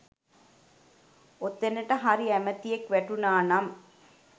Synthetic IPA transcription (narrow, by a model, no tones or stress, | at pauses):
ot̪ːenəʈəɦaɾiæmət̪ijekʋæʈunaːnam